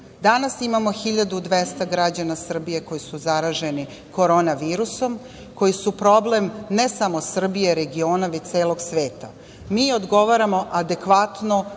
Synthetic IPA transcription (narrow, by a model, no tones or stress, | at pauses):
d̪anasimamoxiʎad̪ud̪ʋest̪aɡɾad͡ʑanasr̩bije̞ko̞jisuzaɾaʒe̞ni | ko̞ɾo̞ːnaʋiːɾuso̞m | ko̞jisupɾo̞ble̞mne̞samo̞sr̩bije̞ɾe̞ɡio̞ːnaʋect̪e̞ːlˠo̞ɡsʋe̞ːt̪a | miːo̞d̪ɡo̞ʋaɾamo̞ʔad̪e̞kʋat̪no